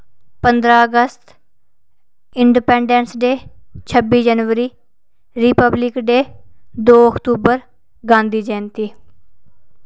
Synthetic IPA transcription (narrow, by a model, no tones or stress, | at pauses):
pənd̪ɾaːəɡəst̪ | ɪɳɖipɛːɳɖɛ̃nsɖeːt͡ʃʰəbiːd͡ʒənʋəɾiː | ɾiːpəblɪkɖeːd̪oːəkt̪uːbəɾ | ɡãːnd̪iːd͡ʒɛ̃ːnt̪iː